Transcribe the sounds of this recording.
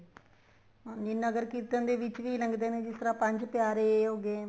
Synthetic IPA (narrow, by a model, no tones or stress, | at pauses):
nɪnəɡəɾkiːt̪ənd̪eːʋɪt͡ʃʋiːləŋɡd̪eːneːd͡ʒɪst̪əɾãːpə̃ɲd͡ʒpjaːɾeːɦoːɡeː